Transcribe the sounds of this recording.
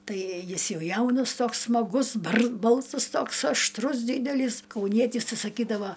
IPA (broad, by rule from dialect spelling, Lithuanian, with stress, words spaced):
ˈtɐɪ ˈjɪs ˈjɛʊ ˈjɛʊnɐs ˈtoːks smɐˈɡʊs bɐrs ˈbɐlˠsɐs ˈtoːks ɐʃˈtrʊs ˈdʲiːdʲɛlʲiːs kɐʊˈnʲiɛtʲiːs ˈtɐɪ sɐˈkʲiːdɐʋɐ